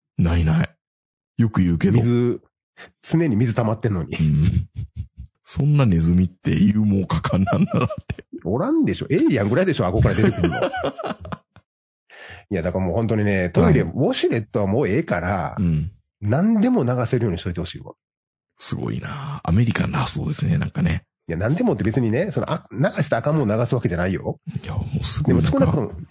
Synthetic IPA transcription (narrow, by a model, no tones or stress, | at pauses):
nainai | jo̞kɯ̟jɯ̟ːke̞miozɨ | t͡sɨne̞ɲ̟imʲizɨt̪amat̪ːe̞nːo̞ɲ̟i | sõ̞nːane̞zɨmʲit̪ːe̞̰jɯːmoːkakʰãnːãnːad̪at̪ːe̥oɾãnd̪e̞ɕo̞̰ʔeɾʲiãŋɡɯɾaid̪e̞ɕo̞ako̞kaɾad̪et̪ekɯ̟ɾɯ̃nːo̰ | ijad̪akamo̞ːhont̪o̞ɲ̟ine̞t̪oiɾeβoɕiɾe̞t̪ːo̞βamoːe̞ːkaɾa̰ɯ̃ | nãnd̪e̞mo̞naɡaseɾɯ̟jo̞ːɲ̟iɕit̪oit̪eho̞ɕiːβa̰ | sɨɡo̞̰ḭnaːa̰me̞ɾʲikanːaso̰ːd̪esɨnenã̰ŋkane | ijanãnd̪e̞mo̞t̪ːebe̞t͡sɨɲ̟ine̞sonoʔanaɡaɕi̥t̪aːkamɯ̟onaɡasɨβake̞ʑanaijo̞jamoːsɨɡd̪eosɨ̥konakot̪omo